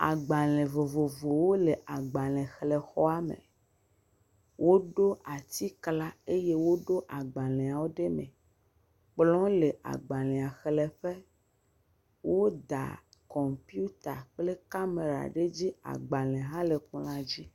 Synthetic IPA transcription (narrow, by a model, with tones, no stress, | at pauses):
a̰˨ɡ͡ba˨lɛ̃˨vo˨vo˨vo˨wo˦le˨ʔa˨ɡ͡ba˨lɛ̃˨xlɛ˨xɔ˦a˦mḛ̃˨ | wo˦ɖo˦a˨t̪i˦kla˦e˦je˦wo˦ɖo˦ʔa˨ɡ͡ba˨lɛ̃˨a˨wo˦ɖe˦mɛ̰̃˨ | k͡plɔ̃˦le˨ʔa̰˨ɡ͡ba˨lɛ̃˨a˨xe˨lɛ˨ɸe˦ | wo˦d̪a̰˨ | kɔ˨mpi˦u˦t̪a̰˨k͡ple˦ka˦me˨ɾa̰˨ɖe˦d͡ʑi˦a̰˨ɡ͡ba˨lɛ̃˨ɦã˦le˨kũ˦lã˨d͡ʑi˦